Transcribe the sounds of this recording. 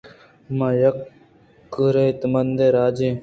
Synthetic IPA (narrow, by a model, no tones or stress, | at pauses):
maːjɐkː | ɾeit̪mɐnd̪eːɾaːd͡ʒeː